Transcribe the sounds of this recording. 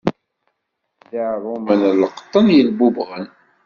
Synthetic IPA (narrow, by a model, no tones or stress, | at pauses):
ðəʕɾˤumənləqə̥t̪ˤːənjəlbubʁən